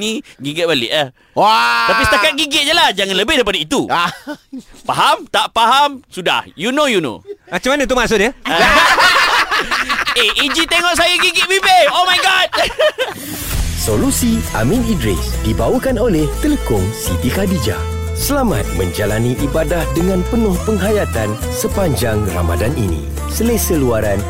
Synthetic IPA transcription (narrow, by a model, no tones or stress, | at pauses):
nĩɡiɡɪt̪̚balɪ̰ʔa | wat̪apisə̥t̪akat̪̚ɡiɡɪt̪̚d͡ʒəlahd͡ʒaŋãnləbɪhdajip̬adait̪u | paɦamt̪aʔpaɦamsuda̰hjunojuno̰mat͡ʃamanə̃t̪̬umasʊʔdjə | eʔid͡ʒit̪eŋɔʔsajaɡiɡɪt̪̚bibeomajɡɔd̚ | solusia̰mĩnidɾḭsdibawəkanolɛht̪ələkʊŋsit̪ikadid͡ʒa̰səlama̰t̪̚mə̃ɲd͡ʒalaniʔibadahdəŋãnpənʊ̃hpəŋɦajat̪an | səpaɲd͡ʒaŋra̰ma̰danḭnḭ̃ | səlesəluaɾan